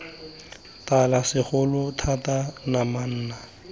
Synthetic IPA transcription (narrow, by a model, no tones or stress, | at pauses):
talasɪχʊlʊtʰatanaman̩ːna